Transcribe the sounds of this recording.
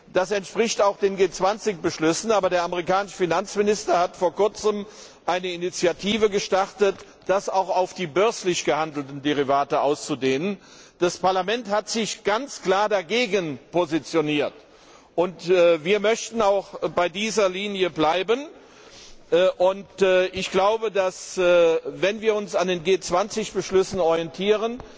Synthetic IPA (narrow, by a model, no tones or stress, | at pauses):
d̥asɛntʃpʁ̥ɪçtaʊxd̥eːnɡeːt͡sv̥ant͡sɪç̚b̥əʃlʏsn̩aːbɐɾeːɐaməʁikaːnɪʃəfinant͡smɪnɪstɐhatfoːɐkʊɐt͡səm | ʔaɪnəɪnit͡sjatʰiːvəɡəʃtaʁtət | d̥asaʊxaʊfd̥iːbœɐslɪçɡ̥əhandl̩tn̩deʁ̞ivaːtəʔaʊst͡sudeːnən | d̥aspaɐlamɛnthatz̥ɪçɡ̥ant͡skl̥aːɐdaɡeːɡənpozit͡sjoniːɐt | ʔʊntːviːɐmœçtn̩aʊxb̥aɪdiːzɐliːnjəblaɪbən | ʔʊntːʔɪçɡ̥laʊbədasː | vɛnviːɐʊnsandeːnɡeːt͡sv̥ant͡sɪçb̥əʃlʏsn̩ɔʁiɛntʰiːʁən